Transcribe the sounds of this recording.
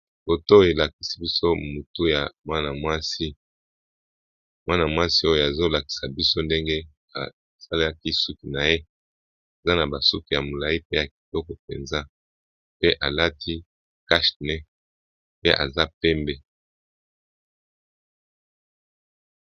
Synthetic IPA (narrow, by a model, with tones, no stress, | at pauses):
bo˨to˦e˨la˨ki˨si̥˦bi˦so˦mo˨tu˦ja˨mwa˦na˨mwa˦si˦ | mwʔa˦na˨mwa˦si˦o˦jo˨a˨zo˦la˨ki̥˨sa˨bi˦so˦nde˦ŋɡe˦ | a̰˨ | sa˦la˦ki˦su˦ki˨na˨je˦ | e˨za˦na˨ba˨su˦ki˨ja˨mo˨la˨i˦pe˦ja˨k̚i̥˨lɔ˦kɔ˨pḛ˨nza˦ | pe˦ʔa˨la˦tʰi˦ | ka˦ʃnɛ˦ | pe˦ʔa˨za˦pɛ˦mbe˦